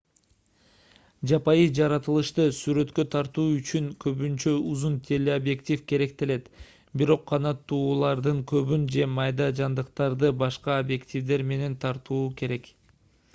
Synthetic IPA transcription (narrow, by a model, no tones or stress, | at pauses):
d͡ʒɑpɑjɯd͡ʒɑɾɑt̪ɯlˠɯʃt̪ɯsyɾø̞t̪kø̞t̪ʰɑɾt̪uːyt͡ʃyŋkʰø̞βynt͡ʃøuzunt̪ʲʰe̞lʲːeobje̞kt̪ʲifke̞ɾe̞k̚t̪ele̞t̪ | biɾo̞qʰːɑnɑt̪ːuːlˠɑɾd̪ɯŋkʰø̞βynd͡ʒe̞mɑjd̪ɑd͡ʒɑnd̪ɯqt̪ɑɾd̪ɯbɑʃqɑobje̞ktʲivd̪e̞ɾme̞ne̞nt̪ʰɑɾt̪uːke̞ɾe̞k